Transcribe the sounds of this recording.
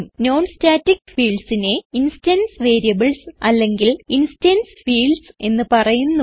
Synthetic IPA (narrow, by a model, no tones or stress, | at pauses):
mno̞ːnstaːtːikfiːɭɖsine̞instɐnsʋe̞ːɾijɐbɨlsɐlːe̞ŋɡilinstɐnsfiːɭɖse̞nːɨpɐrɐjunːu